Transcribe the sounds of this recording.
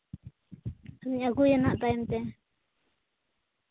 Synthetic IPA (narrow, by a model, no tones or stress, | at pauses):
amiɲaɡujanaʔt̪aimt̪ɛ